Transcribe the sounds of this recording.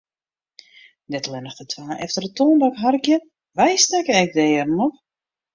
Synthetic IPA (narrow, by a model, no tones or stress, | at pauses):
dɛtlɛnəxdətʰwaːɛ̰ftərətoːndakɦarəkjə | ʋɛjstɛkəɛk̚dɛːrn̩ɔp